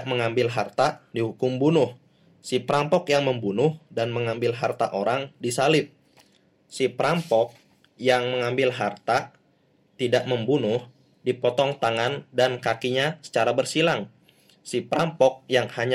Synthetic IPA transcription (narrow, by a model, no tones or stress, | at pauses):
məŋambɪlɦart̪adihukʊmbunʊh | sipəɾampɔkjaŋməmbunʊhdanməŋambɪlɦart̪aʔoɾaŋdisalɪp̚ | sipɾampɔk̚ | jaŋməŋambɪlɦart̪a | t̪idaʔməmbunʊh | dipɔt̪ɔŋt̪aŋandankakiɲasə̥t͡ʃaɾabərsilaŋ | sipɾampɔk̚jaŋhaɲ